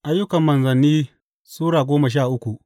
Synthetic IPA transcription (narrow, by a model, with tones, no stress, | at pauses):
ʔa˦jːʊ˦kɐ˨mːɐ˨nzɐ˨nːiː˦ | suː˦ɽaː˨ɡʷoː˦mɐ˨ʃ̬aː˦˨ʔʊ˦kʷu˨ʔ